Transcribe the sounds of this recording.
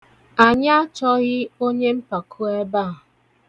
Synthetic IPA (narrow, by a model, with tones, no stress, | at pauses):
a˨ɲa˦a˦t͡ʃɔ˦ɣɪ˦o˦ɲe˦m̩˦pa˨kʰu˦e˦ba˦˨